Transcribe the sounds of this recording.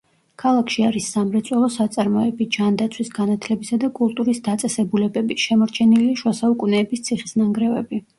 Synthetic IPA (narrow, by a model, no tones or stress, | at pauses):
kʰalˠakʰʃiaɾisːamɾɛt̪sʼwɛlˠɔsat̪sʼaɾmɔɛbid͡ʒand̪at̪sʰwisɡanat̪ʰlɛbisad̪akʼulˠt̪ʼuɾisd̪at̪sʼɛsɛbulɛbɛbiʃɛmɔɾt͡ʃʰɛniliʃwasaukʼunɛːbist̪sʰiχisnaŋɡɾɛvɛbi